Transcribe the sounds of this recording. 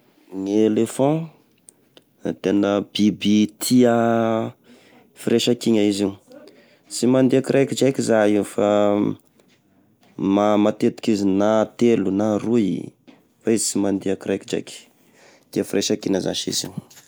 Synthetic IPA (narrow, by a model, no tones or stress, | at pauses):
ŋelefɔ̃ | t̪enəb̥ibit̪ʰia | fiɾeʃakiɲaizi | t͡simand̪iakiɾʔajkid͡ʒajkizaifa | mamat̪et̪u̥kizinat̪elunaruḭ | faizit͡simand̪iakiɾajkid͡ʒa̰jki̥ | t̪iəfiɾeʃakiɲəza̰ʃḭzḭ